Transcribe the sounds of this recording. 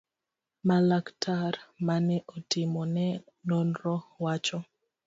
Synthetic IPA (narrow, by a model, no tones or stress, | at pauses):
malaktʰaɾmanɛʔɔtɪmɔnɛ | nɔnɾɔwat͡ʃɔ